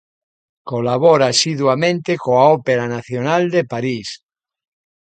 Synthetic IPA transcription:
kolaβ̞oɾasiðwamẽnt̪ekoaopeɾanaθjonald̪epaɾis

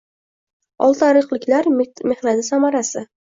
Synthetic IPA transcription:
ɒlˠt̪ʰaɾɨqlˠɪkʲlaɾme̞χnat̪ɪsamaɾasɪ

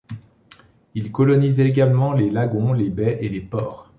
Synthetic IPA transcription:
ilkɔlɔnizɛeɡalmɑ̃lelaɡɔ̃lebɛʔelepɔːʁ

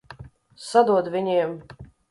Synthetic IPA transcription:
sad̪uɔd̪vʲiɲʲiɛm

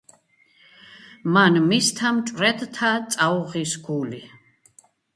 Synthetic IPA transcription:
manmist̪ʰamt͡ʃʼɾɛd̪t̪ʰat͡s̪ʼawʁisɡuli

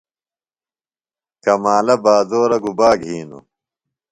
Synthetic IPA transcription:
kɐmaːlɐbaːzoːɾɐɡubaːɡʱiːnṵ

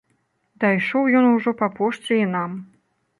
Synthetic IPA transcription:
d̪ajʂɔwjɔnuʐɔpapɔʂt͡sʲiinam

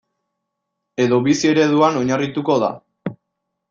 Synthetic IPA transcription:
e̞ðo̞βisie̞ɾe̞ðuano̞ɲarit̪ukoða̰

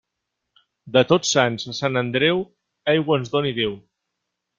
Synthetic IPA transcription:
d̪ət̪ot͡sːanzəsanənd̪ɾɛw | ɛjɣwənzðoniðew

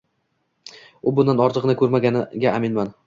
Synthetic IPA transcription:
ʊbʊnd̪anɒɾt̪ʰɨqnɪkʰɵɾmaɡʲanɪɡʲaːmɪnman

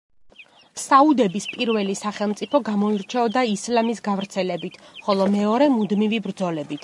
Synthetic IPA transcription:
saud̪ɛbispʼiɾvɛlisaχɛlˠmt̪sʼipʰɔɡamɔiɾt͡ʃʰɛɔd̪aislamisɡavɾt̪sʰɛlɛbit̪ʰχɔlˠɔmɛɔɾɛmud̪mivibɾd̪zɔlɛbit̪ʰ

